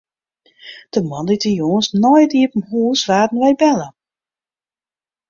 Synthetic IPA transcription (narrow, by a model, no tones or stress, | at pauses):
d̥əmɔnditəjoənsnɔjtiəpəmhuːsʋaːdən̩ʋɛjbɛlə